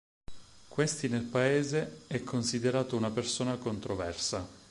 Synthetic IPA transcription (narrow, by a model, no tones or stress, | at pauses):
kwest̪inelpaeːzeɛkʰːonsid̪eɾaːt̪ounapersoːnakont̪ɾovɛrsa